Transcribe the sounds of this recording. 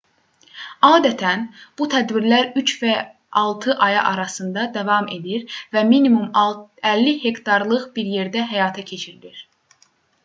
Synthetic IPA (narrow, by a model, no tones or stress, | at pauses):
ɑːd̪æt̪ʰænb̥ut̪ʰæd̪biɾlæɾyt͡ʃvæ | ɑlˠt̪ʰɯʔɑjɑ̰ʔɑɾɑsɯnd̪ɑd̪ævɑme̞d̪iɾvæminimumælːihe̞kt̪ʰɑɾlˠɯʁbiɾje̞ɾd̪æɦæjɑːt̪ʰɑcʰe̞t͡ʃʰiɾliɾ̥